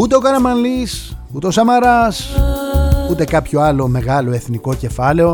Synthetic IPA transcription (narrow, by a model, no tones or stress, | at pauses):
ut̪e̞o̞kɐnɐmɐnlis | ut̪e̞osɐmɐɾɐs | ut̪e̞kɐpço̞ɐlo̞me̞ɣɐlo̞e̞θniko̞ce̞fɐle̞o̞